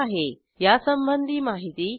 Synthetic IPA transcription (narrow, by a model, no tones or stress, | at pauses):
aɦe | jasəmbənd̪ʱimaɦit̪iː